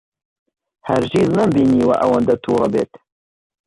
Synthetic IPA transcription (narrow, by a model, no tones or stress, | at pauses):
ha̰ɾt͡ʃiːznɐmbiːniːwa̰ʔɐwɐnd̪ɐt̪ʰuːɾˤɑbḛːt̪